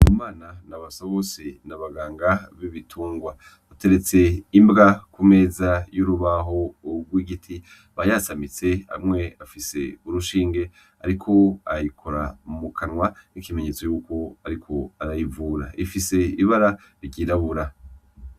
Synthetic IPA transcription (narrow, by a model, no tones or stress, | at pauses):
mumaːnanaβasaβosenaβaɡaːŋɡaβiβitʰuːŋɡwa | ate̞ɾe̞t͡se̞imbɡakume̞ːzajuɾuβaɦo̞ɡwiːɡitʰi | βajasamit͡se̞a̰mŋe̞afise̞̰uɾuʃiːŋɡe̞ | a̰ɾikʰo̞a̰ikʰo̞ɾamukʰanwanikime̞ɲe̞t͡sojuːko̞aɾikʰo̞aɾajivuːɾa̰ʔifise̞iβaɾa | ɾiɟiːɾaβuɾa